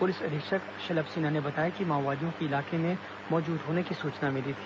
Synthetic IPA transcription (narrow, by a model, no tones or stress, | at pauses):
pʊlɪsɐɾɪkʃək | ʃɐləbsiːnanebɐt̪aːjakimãːʋaːd̪ijõkiɪlaːkemẽ | mɔːd͡ʒuːd̪ɦoːnekisuːt͡ʃnamɪlit̪ʰi̥ː